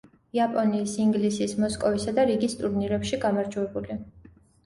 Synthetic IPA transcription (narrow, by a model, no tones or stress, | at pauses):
iapʼɔniːsiŋɡlisismɔskʼɔvisad̪aɾiɡist̪ʼuɾniɾɛpʃiɡamaɾd͡ʒuɛbuli